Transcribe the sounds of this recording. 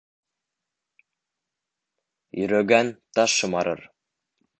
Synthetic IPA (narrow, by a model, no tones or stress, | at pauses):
jɵ̆ɾæɡænt̪ɑʃːɤ̆mɑɾɤ̰ɾ